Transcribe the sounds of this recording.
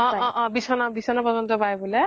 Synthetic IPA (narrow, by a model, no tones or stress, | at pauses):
ɔ̃ɔ̃ʔɔ̃bisɔnabisɔnapɔd͡ʒɔnt̪ɔpajbule